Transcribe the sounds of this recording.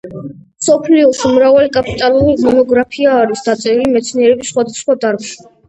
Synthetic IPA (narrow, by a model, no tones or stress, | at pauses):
sɔpʰliɔsumɾavalikʼapʼit̪ʼaluɾimɔnɔɡɾapʰiaːɾisd̪at̪sʼɛɾimɛt̪sʰniɛɾɛbisːχwad̪asχwad̪aɾɡʃa